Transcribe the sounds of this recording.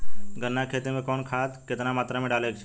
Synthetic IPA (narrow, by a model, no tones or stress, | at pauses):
ɡənːakʰet̪imẽkɔːnkʰat̪ket̪namaːt̪ɾamẽɖalekt͡ʃʰe̥